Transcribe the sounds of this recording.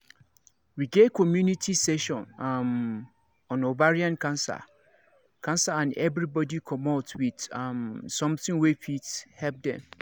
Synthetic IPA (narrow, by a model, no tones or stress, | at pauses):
wiɡetkʰɔmjũnitʰisɛʃɔ̃nãm | ɔ̃nobaɹiãnkʰãnsa̰ | kʰãnsaãnɛvɾibɔdikʰɔmɔtʰwid̥amsɔ̃mtɪ̃ŋwefithɛlp̚dɛ̰̃m